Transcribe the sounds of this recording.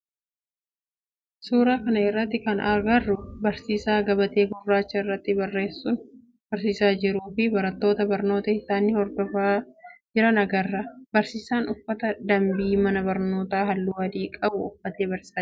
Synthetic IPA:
suːɾaːkɐnɐɪrːɐt̪ːɪkɐnɐɾɡɐrːʊbɐɾsiːsaːɡɐbɐt̪e̞ːɡʊrːaːt͡ʃːɐɪrːɐt̪ːɪbɐrːe̞ːsːʊn | bɐɾsiːsaːd͡ʒɪɾuːfɪbɐɾɐt̪ːo̞ːt̪ɐbɐɾno̞ːt̪ɐɪsaːniːhɔɾd̪ɔfaːd͡ʒɪɾɐnɐɡɐrːɐbɐɾsiːsaːnʊfːɐt̪ɐd̪ɐmbiːmɐnɐbɐɾno̞ːt̪aːɦɐlːuːwɐd̪iːkʼɐbʊːfːɐt̪e̞ːbɐɾssaː

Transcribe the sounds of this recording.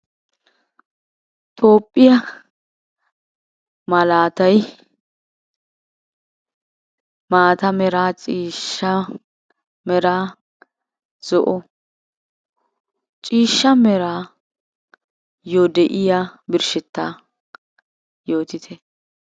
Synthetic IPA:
t̪ʰʼo̞ːpʼːɪjɐ | mɐlaːt̪ɐj | maːt̪ɐmɛɾaːt͡ʃʼiːʃːɐ | mɛɾaː | z̥ɔʔɔ | t͡ʃʼiːʃːɐmɛɾaː | jod̪ɛʔɪjabɪɾʃɛt̪ːa̰ː | jo̞ːt̪ɪt̪ʰɛ

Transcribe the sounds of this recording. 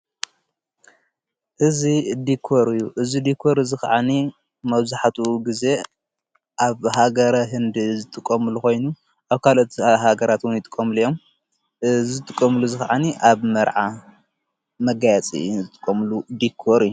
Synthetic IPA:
ʔɨzid̪ikʰoɾɨjːuʔɨzid̪ikʰːo̞ɾɨzɨxaʕani | mɐβzħat̪ʰuɡize̞ | ʔaβɦaɡɐɾɐɦɨnd̪izɨt̪ʼɨkʼːɐmɨluko̞jnu | ʔaβkʰalot̪ɦaɡɐɾat̪wʊnjɪt̪ʼɨkʼːɐmɨlijo̞m | zɨt̪ʼɨkʼːɐmɨluzɨxaʕaniʔaβmɐɾʕa | mɐɡajat͡sʼḭzɨt̪ʼɨ̥kʼːɐmɨlud̪ikʰːoɾɨjːu

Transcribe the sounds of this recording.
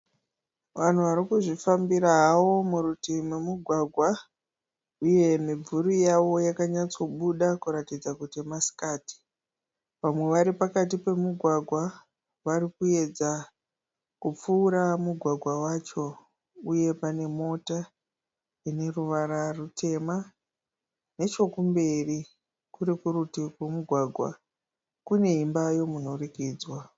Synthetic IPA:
ʋan̤uʋaɾikuʐifambiɾaɦːwo̞muɾutimemuɡʱwaɡʱwa | uje̞mib͡vuɾijaʋo̞jakaɲat͡so̞ɓuɗakuɾatid͡zakutemasi̥kaːti̥ | ʋamwe̞ʋaɾipakat̬ipe̞muɡʱwaɡʱwa | ʋaɾikue̞d͡za | kup͡fuːɾamuɡʱwaɡʱwawat͡ʃo̞ | uje̞pane̞mo̞ta | ine̞ruʋaɾarutʰe̞ma | ne̞t͡ʃo̞kumbe̞ri | kuɾikurutikwemuɡʱwaɡʱwa̰ | kune̞imbajo̞muno̞rikiːd͡zwa

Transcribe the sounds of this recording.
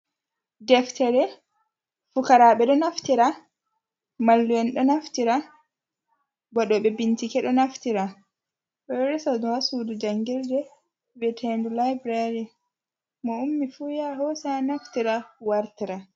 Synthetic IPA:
dɛftɛɾɛ | fukaɾaɓɛɗɔnaftiɾa | malːuwɛnɗɔnaftiɾa | bɔɗɔɓɛbintikɛɗɔnaftiɾa | ɓɔɾɛsadɔhasudud͡ʒaŋɡildɛ | bɛtʰendulajbɾaɾi | mɔumːifuːjaɦɔsanaftiɾawaɾtiɾa

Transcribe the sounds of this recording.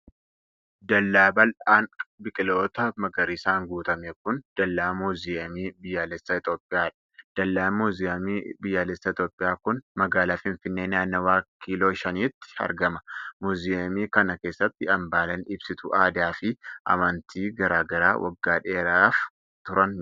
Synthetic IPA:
d̪ɐlːaːbɐlaːnbɪkʼɪlo̞ːt̪ɐmɐɡɐɾɪsaːŋɡuːt̪ɐmekʊnd̪̥ɐlːaːmuːzɪɐmiːbɪjːaːlɛsːɐɪt̪o̞ːpʼːɪjaːᶑɐ̥d̪̥ɐlːaːmuːzɪɐmiːbɪjːaːlɛsːɐɪt̪jo̞ːpʼːɪjaːkʊnmɐɡaːlaːfɪnfɪnːe̞ːnaːnːɐwaːkːiːlo̞ːʃɐniːt̪ːɪ̥ɐ̰ɾɡɐmɐ̥muːzɪɐmiːkɐnɐke̞ːsːɐt̪ːɪɐmbaːlɐnɪbsɪt̪ʊʔaːd̪aːfɪʔɐ̰mɐnt̪ʰiːɡɐɾaːɡɐɾa̰ːwʔɐ̰ɡːaːᶑeːɾaːf | t̪ʊɾɐn

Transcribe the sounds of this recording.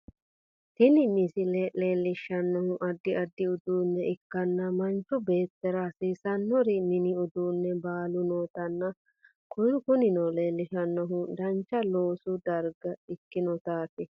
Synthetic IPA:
t̪ɪnɪnɪsɪlele̞ːlːɪʃɐnːɔhʊʔɐd̪ːɪɐd̪ːɪʊd̪uːnːɛʔɪkːɐnːɐmɐnt͡ʃɔbe̞ːt̪ːɛɾaːsiːsɐnːɔɾɪnɪnɪʊd̪uːnːɛbaːlʊnoːt̪ɐnːɐ | kʊjʊkʊnɪnoleːlːɪʃɐnːɔɦʊd̪ɐnt͡ʃːɐloːsʊd̪ɐɾɡɐɪkːɪnɔt̪aːt̪ɪ

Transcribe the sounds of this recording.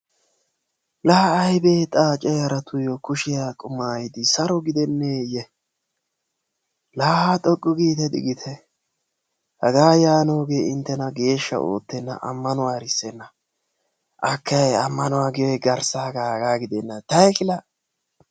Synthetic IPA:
lɐhɐːjbeːt̪ʼaːt͡ʃʼɛjɐɾɐt̪ʰʊjɔkʊʃɪjaːkʼʊmːaːjɪd̪ɪsɐɾɔɡɪd̪ɛnːeːjɛ | laːhaːt̪ʼɔkʼːɔɡiːt̪ɛd̪ɪ̰ɡɪt̪ʰɛ | hɐɡaːjaːno̞ːɡe̞ːɪnt̪ːɛnɐɡe̞ːʃːɐ̰o̰ːt̪ːɛnːɐ̰ʔɐ̰mːɐnʊwaːɾɪsːɛnːɐ | ʔɐkʰːɐjɛɐmːɐnʊwaːɡɪjɔjɡɐɾsaːɡaːhɐɡaːɡɪd̪ɛnːɐt̪ɐjkɪlɐ

